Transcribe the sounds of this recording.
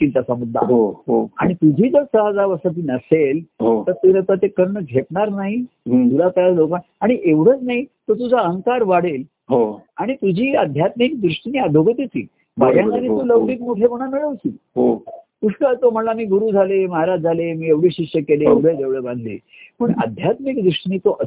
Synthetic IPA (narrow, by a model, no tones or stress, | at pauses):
k̪int̪asəmud̪ʱːa̰ɦoɦoa̰ɽ̃it̪ud͡ʑʱiːd͡zəɾsəɦəd͡zaʋəsət̪̬iːnəselɦot̪əɾt̪elət̪at̪ekəɾɳəɡʱepɳaɾnaɦit̪ulat̪jalokan | aɽ̃iʔeʋɽ̤əːt͡snaɦit̪ot̪̬ud͡zʱaəŋkaɾʋaɽ̤el | ɦoaɽ̃it̪ud͡ʑʱiːəd̪ʱjat̪mikd̪ɾuʂʈniːəd̪ʱoɡət̪it̪ḭː | baɡjãŋanit̪uːləʋʈiːk̪̚moʈʰekoɽ̃amiɭəʋsiːɦokuʂʰʈət̪om̤əlamiːɡuɾuːd͡zʱaleməɦaɾad͡zd͡zʱalemiːeʋɽ̤eɕiʂjəkeleeʋɽ̤əd͡zeʋɭəbãnd̪ʱlḭː | pəɳə̰d̪ʱjat̪mikd̪ɾuʂʈniːt̪oʔə